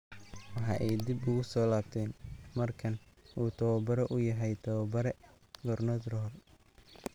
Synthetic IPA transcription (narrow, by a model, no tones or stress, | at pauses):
wɑħɑʔɛjd̪ibʊɣʊsɔːlaːb̚t̪ʰɛːnmɐrkʰɐn | ʔuːt̪ʰɐwɐbɐɾɛʔʊjɐɦɛjt̪ʰɐwɐbɐɾɛ | ɡɔrnɔd̪rɔːl